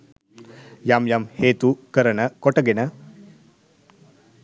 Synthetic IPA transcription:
jaːmjamheːt̪ukɐɾɐnɐkɔʈɐɡenɐ

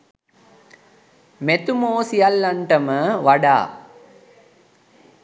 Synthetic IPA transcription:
met̪umoːsijalːaɳʈəməʋaɖa̰ː

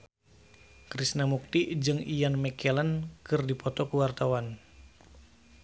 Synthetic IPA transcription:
kɾisnamuk̚t̪id͡ʒɨŋijanmɛkɛlənkɨrdipɔt̪ɔkuwart̪awan

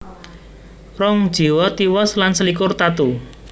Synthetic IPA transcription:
rɔŋd̥ʒ̥i̤wɔt̪iwɔslansəlikʊrt̪at̪u

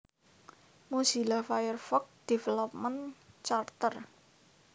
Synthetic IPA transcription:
musilafajərfɔk̚d̥efɛlɔp̚mənt͡ʃart̪ər

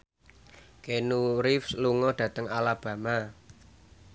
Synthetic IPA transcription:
kenuɾɪfsluŋɔɖ̥ä̤t̪əŋalab̥ä̤ma

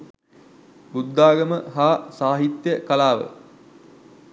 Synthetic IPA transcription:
bud̪ːaːɡəməɦaːsaːɦit̪jəkɐlaːʋə̰

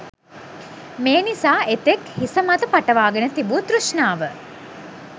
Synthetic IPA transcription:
meːnisaːʔet̪ekhisəmat̪əpaʈəʋaːɡənət̪ibuːt̪ɾuʃɳaːʋə

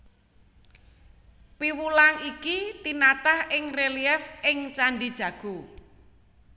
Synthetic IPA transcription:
piwulaŋikit̪inat̪ahɪŋreliɛfɪŋt͡ʃaɳɖid̥ʒ̥ä̤ɡ̥o

